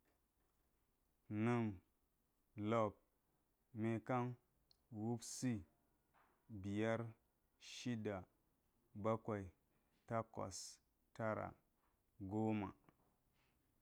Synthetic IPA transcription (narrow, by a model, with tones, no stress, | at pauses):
nɨ˦m | lo˨p̚ | me˨ka˦n | wu˦bsi˦ | bi˨ja˦ɾ | ʃi˦da˨ | ba˦ka˨i˨ | ta˦ko̰˨s | ta˦ɾa̰˨ | ɡo˦ma̰˨